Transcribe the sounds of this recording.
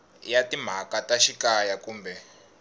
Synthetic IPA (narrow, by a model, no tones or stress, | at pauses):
jatim̤akataʃikajakuːmbɛ